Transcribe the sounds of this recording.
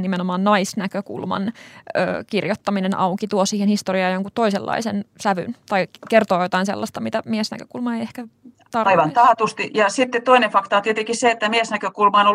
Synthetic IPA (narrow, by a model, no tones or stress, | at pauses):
nimenomɑːnnɑisnækøkṵlmɑ̰nø̰ːkirjot̪ːɑminenʔɑukit̪uosiːhenhist̪oriɑːjoŋkut̪to̞isḛlːɑ̰isensæʋy̰nt̪ɑikert̪oːjot̪ɑinselːɑst̪ɑmit̪æmiesnæ̰køkulmɑejehkæ | t̪ɑrɑiʋɑnt̪ɑːt̪ust̪ijɑsit̪ːett̪oinefɑkt̪ɑːt̪iet̪eŋkisseet̪ːæmiesnækøkulmɑːno